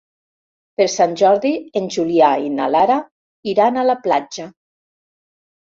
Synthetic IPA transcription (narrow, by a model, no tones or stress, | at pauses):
peɾsanʲʒɔɾðienʲʒuliaina̰laɾa | iɾanalaplad͡ʒa